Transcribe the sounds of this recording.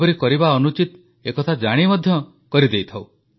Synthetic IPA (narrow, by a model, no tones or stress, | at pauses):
ɔɾikɔɾibaɔnut͡ʃit̪ | ekɔt̪ʰad͡ʒaɽ̃imɔd̪ʱjɔ | kɔɾid̪ejt̪ʰaw